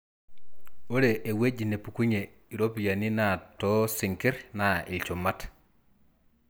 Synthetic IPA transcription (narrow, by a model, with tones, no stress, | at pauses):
o˦ɾe˨ʔe˨we˦d͡ʒi˨ne˨pu˨ku˦ɲe˨ | i˨ɾo˦pi˨ja˨ni˦na˨to˦si˨ŋki˦ɾna˨ḭ˨lt͡ʃo˨ma˦t